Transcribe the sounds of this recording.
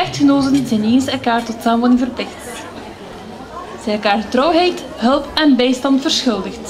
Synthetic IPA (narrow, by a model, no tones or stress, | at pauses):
ɛxtxənoːtənzɛjneːnsɛlˠkaːrtɔtsaːmʋɑdɪŋvərplɪxt | z̥ɛjɛlˠkaːrətrɔwɦɛjt | ɦɵlˠpɛnbɛjstɑntfərsxɵlˠdəxt